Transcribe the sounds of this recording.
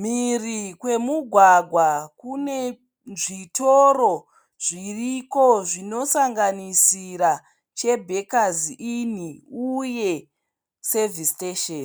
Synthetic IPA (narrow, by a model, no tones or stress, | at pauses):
mirikwe̞muɡʱwaɡʱwakune̞ | ʐitoɾo | ʐ̥iriko̞ʐino̞saŋɡanisiɾa | t͡ʃe̞bʱe̞kaziʔiniuje̞ | se̞visteʃen